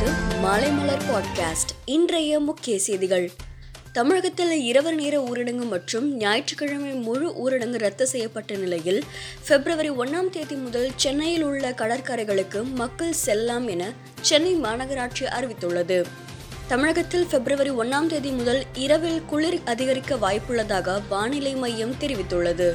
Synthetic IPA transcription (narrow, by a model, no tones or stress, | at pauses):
ɯmaːlɐɪmɐlɐɾpaːɖkaːsʈɪndrɐjɐmʊkːɪjɐseːðɪɣɐɭ | t̪ɐmɪɻɐɣɐt̪ːɪlɪɾɐʋɐɾneːɾɐuːɾɪɽɐŋɡɯmɐʈrɯmnjaːjɪʈrɯkːɪɻɐmɐɪmʊɻɯʔuːɾɪɽɐŋɡɯɾɐt̪ːɐsɛjːɐpːɐʈːɐnɪlɐjɪl | fɛbɪɾɐʋɐɾiɔnːaːmt̪eːðimʊðɐlt͡ʃɛnːɐjɪlʊɭːɐkɐɭɐɾkaːɾɐɪɣɐɭɯkːɯmɐkːɐɭsɛlːaːmɛnɐ | t͡ʃɛnːɐɪmaːnɐɣɐɾaːʈʂiʔɐɾɪʋɪt̪ːɯɭːɐðɯ | t̪ɐmɪɻɐɣɐt̪ːɪlfɛbɾɐʋɐɾiɔnːaːmt̪eːðimʊðɐlɪɾɐʋɪlkʊɭɪɾɐðɪɣɐɾɪkːɐʋaːjpːɯɭːɐðaːɣɐʋaːnɪlɐɪmɐjːɐmt̪ɛɾɪʋɪt̪ːɯɭːɐðɯ